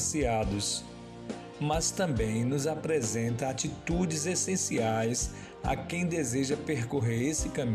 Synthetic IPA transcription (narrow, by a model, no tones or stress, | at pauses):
siad̪ʊs | mɐst̪ɐ̃bẽj̃nʊzapɾezẽnt̪ɐ̃at͡ʃit̪ud͡ʒɪzesẽsiajs | ɐ̰kẽj̃d̪ezeʒɐpeɾkoɦeɾesɪkɐ̃m